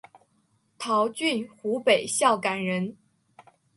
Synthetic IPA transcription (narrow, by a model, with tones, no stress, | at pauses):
t̪ʰɑ˧˥ʊt͡ɕy˥˩nxu˧˥pe˨˩ɪɕjɑ˥˩ʊka˨˩nɻə˧˥n